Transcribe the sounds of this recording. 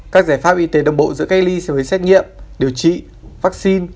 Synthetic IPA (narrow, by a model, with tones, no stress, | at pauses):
kaː˦˥k̚zaː˧˩jfaː˦˥p̚ʔi˧t̪e˨˦ɗə˧wŋ͡mɓo̰˧˨zɨ̰˧˥əka˦˥k̚li˧sɛ̰˧˥vəː˨˦jsɛ˦˥t̚ŋḭ˧˨əmɗi˨˩əwt͡ɕḭ˧˨ | vaː˦˥k̚si˧n